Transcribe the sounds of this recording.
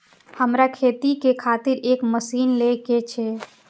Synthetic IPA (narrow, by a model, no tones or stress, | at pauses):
həmɾakʰet̪ikekʰat̪iɾekməsinleket͡ʃʰɛ